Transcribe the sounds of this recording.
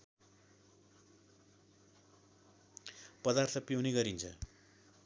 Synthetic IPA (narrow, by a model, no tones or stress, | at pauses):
pʌd̪art̪ʰʌpjʌwneɡʌɾint͡sʰʌ